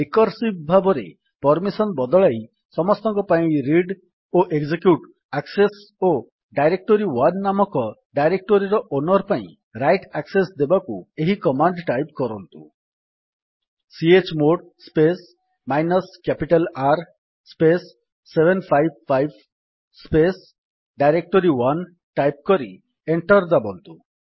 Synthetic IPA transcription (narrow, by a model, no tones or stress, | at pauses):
ekɔɾsibbʱabɔɾḛ | pɔɾmisɔnbɔd̪ɔɭaj | sɔmɔst̪ɔŋkɔpaĩɾiɖ | oʔeɡd͡ʒekjuʈ | akses | o | ɖajɾek̚ʈoɾiwannamɔkɔɖajɾek̚ʈoɾiɾɔʔonɔɾpaḭ̃ | ɾajʈaksesd̪ebakṵeɦikɔmaɳɖʈajp̚kɔɾɔnt̪ṵ | siet͡ʃmoɽ | spes | majnɔskapiʈalaɾ | spesː | ebʱenpʰajbfajb | spes | ɖajɾek̚ʈoɾiwan | ʈajp̚kɔɾi | eɳʈɔɾd̪abɔnt̪u